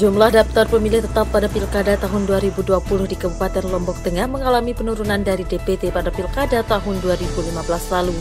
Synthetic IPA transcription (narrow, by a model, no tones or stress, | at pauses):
d͡ʒumlahdap̚t̪ɔrpəmilɪht̪ət̪apːadapilkadat̪aɦʊnduaɾibuduapulʊhdikəbupat̪ɛnlɔmbɔk̚t̪əŋahməŋalamipənuɾunandaɾidepet̪epadapilkadat̪aɦʊnduaɾibulimabəlaslalu